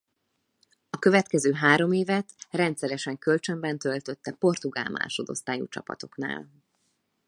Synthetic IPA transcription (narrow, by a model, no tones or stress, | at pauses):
ɒkø̞vɛt̪kɛzøːɦaːɾo̞meːvɛt̪rɛnt̪sɛɾɛʃɛŋkø̞lt͡ʃø̞mbɛnt̪ø̞lt̪ø̞t̪ːɛpo̞rt̪uɡa̰ːlmʔa̰ːrʃo̞d̪o̞̰st̪aːjṵt͡ʃɒ̰pɒ̰t̪o̞̥kna̰ːl